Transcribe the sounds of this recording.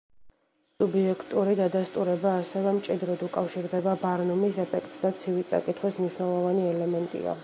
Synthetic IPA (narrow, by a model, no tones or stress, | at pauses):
subiɛkʰt̪ʼuɾid̪ad̪ast̪ʼuɾɛbaːsɛvɛmt͡ʃʼid̪ɾɔd̪ukʼafʃiɾd̪ɛbabaɾnumisɛpʰɛkʰt̪ʼsd̪at̪sʰivit̪sʼa̰kʼit̪ʰχwismniʃwnɛlˠɔvaniɛlɛmɛnt̪ʼḭa̰